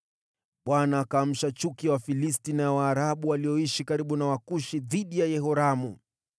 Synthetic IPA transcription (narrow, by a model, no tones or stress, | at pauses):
ɓwanaːkaːm̩ʃat͡ʃukiwafilis̬tinawaːɾaɓuwaliɔiʃikaɾiɓunawakuʃiðiɗijajɛhɔɾamu